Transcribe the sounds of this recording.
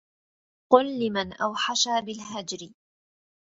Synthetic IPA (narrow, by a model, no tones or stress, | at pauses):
qʊlːɪmanʔawħaʃaːbɪlɦad͡ʒɾɪ